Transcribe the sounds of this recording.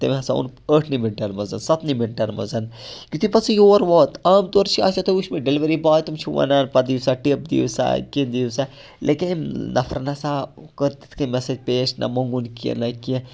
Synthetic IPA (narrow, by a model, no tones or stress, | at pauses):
t̪emɐsaṵnəːʈʰniminʈɐɾmɐzɐnsɐt̪nimiɳʈɐɾmɐ̰zɐnkut̪ipɐsijoːɾʋoːt̪ɐːmt̪oɾt͡ʃʰia̰ːt͡ʃɐt̪ʰouʃmeɖeliʋɐɾibaːt̪umt͡ʃʰuʋɐ̰naːnpɐd̪isaʈip̚d̪ḭusa̰kind̪iusa | lʔekinnʔɐ̰fʰɾɐnɐsakəɾt̪i̥t̪ʰkimɛsed͡ʒpeːt͡ʃnɐ̰mɐŋɡunkiḛnɐkiẽ